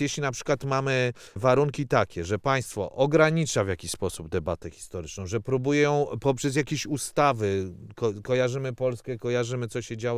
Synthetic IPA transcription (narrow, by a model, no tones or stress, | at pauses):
jɛɕlʲinapʂɘ̥kwat̪mamɘvaɾuŋkʲit̪akʲɛʐɛpaj̃st̪fɔʔɔɡɾaɲit͡ʂavʲjakʲiɕʲspɔsubd̪ɛbat̪ɛxʲi̥st̪ɔɾɘt͡ʂnɔ̃w̃ʐɛpɾubujɛjɔ̃w̃pɔpʂɛz̬jakʲeɕust̪avɘkɔkɔjaʐɘmɘpɔlskɛkɔjaʐɘmɘt̪sɔɕɛd͡ʑawɔ